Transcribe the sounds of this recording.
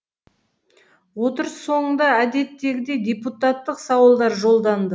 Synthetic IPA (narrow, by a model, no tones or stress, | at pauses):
wo̞t̪əɾəsːo̞ɴənd̪ɑæd̪e̞t̪ːe̞ɡʲɪd̪e̞d̪ʲe̞put̪ɑt̪ːəqsɑwəlˠd̪ɑɾʒo̞lˠd̪ɑnd̪ə